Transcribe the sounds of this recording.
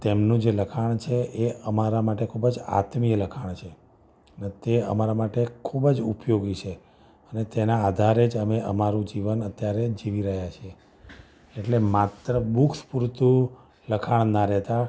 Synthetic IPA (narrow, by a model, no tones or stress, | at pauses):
t̪emnũd͡ʒeləkʰaɳ̃t͡ʃʰeʔeəmaɾamaʈekʰubəd͡ʒa̰t̪mijələkʰaɳ̃t͡ʃʰe | net̪eə̰maɾamaʈekʰubəd͡ʒupjoɡit͡ʃʰe | ənet̪enaːd̪ʱaɾed͡ʒəmeʔəmaɾũd͡ʒiʋənət̪jaɾed͡ʒiʋiɾəɦjat͡ʃʰe | eʈlemat̪ɾəbukʰspuɾt̪u | ləkʰaɳ̃naɾɛɦt̪a